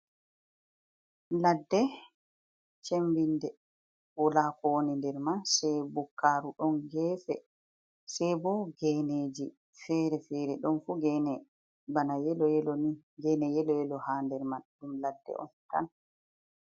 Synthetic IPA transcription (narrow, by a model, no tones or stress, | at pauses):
ladːɛ | t͡ʃembindɛ | wɔlaːkɔwonindɛɾmasɛjbukːaɾuɗɔnɡɛːfɛ̰ | sɛjbɔɡɛːneːd͡ʒi | fɛɾɛfɛɾɛɗɔnfuɡɛnɛ | banajɛlɔɛlɔni | ɡɛnɛjɛlɔjɛlɔhaːndɛɾmaɗumladːɛ̰ʔɔ̰nta̰n